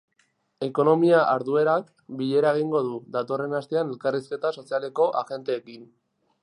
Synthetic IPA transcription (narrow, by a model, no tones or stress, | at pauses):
e̞ko̞no̞miaʔaɾðue̞ɾak | biʎe̞ɾaeɣiŋɡo̞ðuðat̪o̞re̞nast̪e̞ane̞lkariske̞t̪aso̞siale̞ko̞ʔaxe̞nt̪e̞ːkin